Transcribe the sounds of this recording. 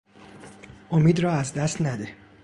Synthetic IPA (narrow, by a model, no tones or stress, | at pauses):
ʔomiːd̪rɒːæzd̪æst̪næd̪e